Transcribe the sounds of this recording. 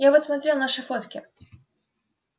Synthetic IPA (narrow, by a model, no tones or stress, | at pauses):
jabət̪smɐt̪ɾʲelˠnaʂɨfot̪kʲɪ